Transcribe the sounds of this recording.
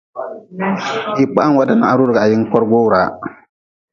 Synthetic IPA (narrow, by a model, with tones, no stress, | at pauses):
ji˨k͡pa˦a˦wa˨˦da˦na̰˨a˨ɾu˦ɾɡa˨a˨jɪ˦ŋ˦kɔ˦ɾɡoː˦˨ɾaː˨˦